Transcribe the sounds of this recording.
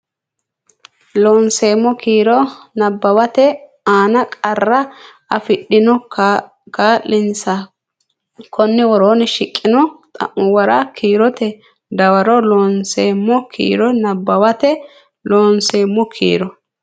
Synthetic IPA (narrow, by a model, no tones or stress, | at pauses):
loːnseːmːɔkʰiːɾɔnɐbːɐwɐt̪ɛ | aːnɐkʼɐrːɐ | ɐfɪɗːɪnɔ | kaːlːɪnsɐ | kʰɔnːɪwɔɾoːnɛʃɪkʼːɪnɔt̪ʼɐ̰ʔʊwɐɾakʰiːɾɔt̪ɛ | d̪ɐwɐɾɔloːnseːmːɔkʰḭːɾɔnɐbːɐwɐt̪ɛ | loːnse̞ːmːɔkʰḭːɾɔ